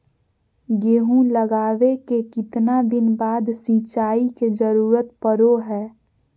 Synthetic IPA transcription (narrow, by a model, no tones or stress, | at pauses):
ɡeːɦũləɡaːʋekekɪt̪nad̪ɪnbaːd̪sĩːt͡ʃaːiked͡ʒəɾuːɾət̪̚pəɾoɦɛː